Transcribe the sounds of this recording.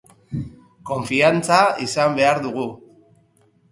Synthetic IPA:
ko̞ɱfiant͡saisambe̞aɾðuɣu

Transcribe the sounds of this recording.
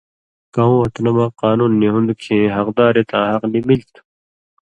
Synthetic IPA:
kɐɦũːɐt̪nɐmaːqaːnuːnːiɦũnd̪kʰẽːɦɐqd̪aːɾet̪ãːɦɐqnimilt̪ʰ

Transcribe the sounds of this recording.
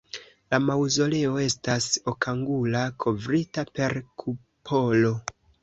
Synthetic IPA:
lamawzo̞le̞o̞e̞staso̞kaŋɡulakʰo̞vɾitape̞ɾkʰu | pʰo̞lo̞

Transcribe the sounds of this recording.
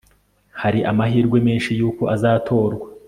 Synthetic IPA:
haɾiʔamaɦiːɾɡwe̞meːnʃijuːko̞ʔazaːtʰo̞ːɾɡwa

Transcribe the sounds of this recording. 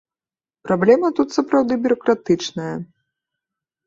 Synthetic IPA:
pɾablʲɛmɐt̪ut̪sɐpɾawd̪ɨbʲʊɾɐkɾat̪ɨt͡ʂnɐjɐ

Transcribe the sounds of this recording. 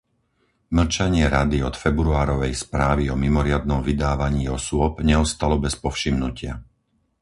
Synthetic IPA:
ml̩t͡ʃaɲɪɛɾad̪iɔt̪fɛbɾuaːɾɔʋɛjspɾaːʋiɔmimɔɾɪad̪̚nɔmvid̪aːʋaɲiːɔsʊɔbɲɛɔst̪alɔbɛspɔfʃimnucɪa̰

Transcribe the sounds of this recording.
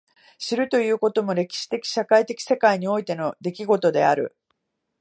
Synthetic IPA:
ɕiɾɯ̟t̪o̞jɯ̟ːko̞t̪o̞mo̞ɾe̞kʲi̥ɕi̥t̪e̞kʲi̥ɕakait̪e̞kʲi̥se̞kaiɲ̟io̞it̪e̞no̞d̪e̞kʲiɡo̞t̪o̞d̪e̞̰a̰ɾɯ̟̰

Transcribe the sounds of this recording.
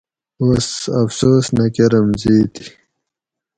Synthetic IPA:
osɐfsoːsnɐkeɾɐmziːt̪i̥

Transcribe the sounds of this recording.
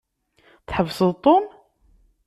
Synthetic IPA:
θħəvːsəðˤt̪ˤːon

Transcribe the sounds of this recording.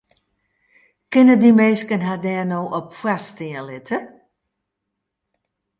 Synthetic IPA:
kɪnədimeːskənɦadɛːənoːʔɔpfwastɪəlɪtʰə

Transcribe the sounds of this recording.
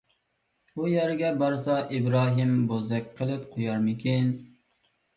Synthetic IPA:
ujæɾɪɡʲɛbɑɾsɑʔibɾɑːɦɪmbozɛkʲqʰəlˠɪpqʰojɑɾmɪkʲʰin

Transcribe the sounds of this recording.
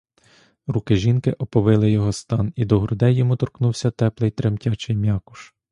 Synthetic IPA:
rukɪʒʲinkɪʔɔpɔʋɪlˠɪjɔɦɔst̪ɑnid̪ɔɦɾʊd̪ɛjːɔmut̪ɔrknuwsʲɐt̪ɛplˠɪjt̪ɾemtʲat͡ʃɪjmʲjɑkʊ̥ʃ

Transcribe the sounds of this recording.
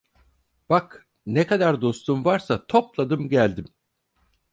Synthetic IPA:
b̥ak | nekad̪aɾd̪o̞st̪ʰumvaɾsat̪ʰo̞plˠad̪ɯmɟælʲd̪im

